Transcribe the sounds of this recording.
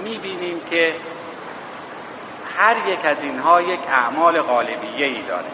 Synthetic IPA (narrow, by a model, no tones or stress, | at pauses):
miːbiːniːmkʰe | hæɾjekʰæzinɦɒːjekʰæʔmɒːleɣɒːlebijːeiːd̪ɒ̰ːɾe